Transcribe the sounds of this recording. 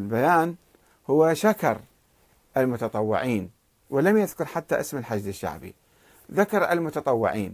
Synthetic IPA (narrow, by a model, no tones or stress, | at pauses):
lbajaːn | hʊwːaʃakɑ̰ɾˤ | ʔalmʊt̪ɑt̪ˤɑwːɪ̰ʕiːn | wɪlamjɪðkʊɾˤħat̪ːaʔɪsmɪlħad͡ʒd̪ɪʃːa̰ʕbḭ | ðakɑɾˤʔa̰lmʊt̪ɑt̪ˤɑwːɪ̰ʕiːn